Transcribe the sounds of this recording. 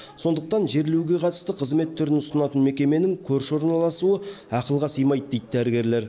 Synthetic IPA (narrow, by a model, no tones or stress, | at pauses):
so̞nd̪əq̚t̪ɑnʒe̞ɾlewɡʲe̞qʰɑt̪ə̥st̪əqʰəzme̞t̪ʰːʏɾɪnʊsənɑt̪ənme̞kʲe̞me̞nɪŋkʲʰɵɾʃo̞ɾnɑlˠɑsuəɑqəlˠʁɑsəjmɑjd̪̚d̪ejd̪əd̪æɾɪɡʲe̞ɾle̞ɾ